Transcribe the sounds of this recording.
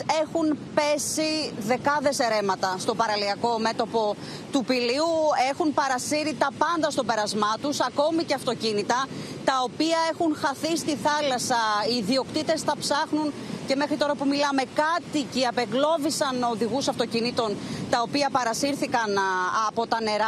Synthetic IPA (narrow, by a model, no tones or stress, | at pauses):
e̞xunpe̞siðe̞kɐðe̞se̞ɾe̞mɐt̪ɐst̪o̞pɐɾɐliɐko̞me̞t̪o̞po̞ | t̪upiliue̞xunpɐɾɐsiɾit̪ɐpɐnd̪ɐst̪o̞pe̞ɾɐzmɐt̪usɐko̞miceɐft̪o̞cinit̪ɐ | t̪ɐo̞piɐe̞xunxɐθist̪iθɐlɐsɐiːðio̞kt̪it̪e̞sθɐpsɐxnunce̞me̞xɾit̪o̞ɾɐpumilɐme̞kɐt̪iciɐpe̞ɣlo̞visɐno̞ðiɣusɐft̪o̞cinit̪o̞nt̪ɐo̞piɐpɐɾɐsiɾθikɐnɐpo̞t̪ɐne̞ɾɐ